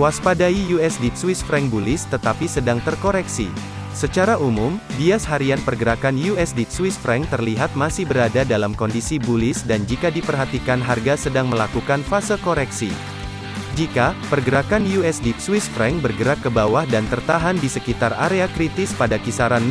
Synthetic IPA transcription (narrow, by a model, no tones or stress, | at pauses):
waspadaijuɛsdit̪̚swisfɾɛŋbulɪst̪ət̪apisədaŋt̪ərkoɾɛksḭ | sət͡ʃaɾaʔumʊmdiasɦaɾianpərɡəɾakanjuɛsdit̪̚swisfɾɛŋt̪ərliɦat̪̚masɪhbəɾadadalamkɔndisibulɪsdand͡ʒikadipərɦat̪ikanɦarɡasədaŋməlakukanfasəlkoɾɛksḭ | d͡ʒikapərɡəɾakanjuɛsdit̪swɪsfɾɛŋbərɡəɾakːəbawahdant̪ərt̪aɦandisəkit̪araɾeakɾit̪ɪspadakisaɾan